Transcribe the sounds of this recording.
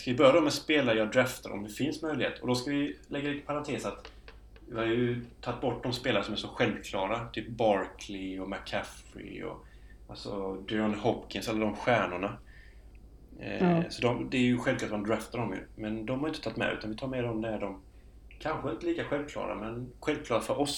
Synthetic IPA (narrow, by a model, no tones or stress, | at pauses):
skavɪbœɾjad̪ɔmːɛspeːlajɑːd̪ɾɛft̪ʰa̰ɾɔ̰md̪ɛfɪnsmœjlɪhḛːt̪ɔd̪ɔskavɪlɛɡːaliːt̪ə̥pʰaɾant̪ʰeːsat̪ | vɪhaɾjɵt̪ʰat̪̚ːbɔʈːd̪ɔmspeːlaɾəsɔmæʂɔɧɛlvkʰlɑːɾat̪ʰyːp̚bɑːɾkʰlɪɔmækʰːafɾɪ̰ɔ̰ | ʔalsɔd̪ɪɔnhɔpkʰɪnsalːad̪ɔmɧæːɳʊɳa | sɔd̪ɔmd̪ɛæɾjɵɧɛlvklɑːʈ̪mand̪ɾaːft̪aɖɔmjɵ̰mɛnd̪ɔmhaɾɪnt̪ə̥t̪ʰat̪ːmɛ̰ʉ̟ːt̪anvɪt̪ʰɑːɾmeːɖɔmd̪ɛæɖɔm | kʰanɧəɪnt̪əliːkaɧɛlvkʰlɑ̰ːɾa̰mɛnɧɛlvkʰlɑːɾafœɾʔɔs